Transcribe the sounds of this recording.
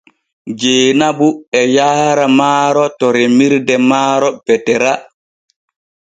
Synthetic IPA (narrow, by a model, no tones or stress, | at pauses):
d͡ʒeːnabuɛjaːɾamaːɾɔtɔɾemiɾdɛmaːɾɔpɛtɛɾa